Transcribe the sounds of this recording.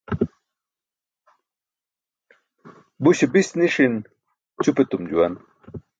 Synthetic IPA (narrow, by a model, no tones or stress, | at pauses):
buɕebisniʂin | t͡ɕupet̪umd͡ʑuwan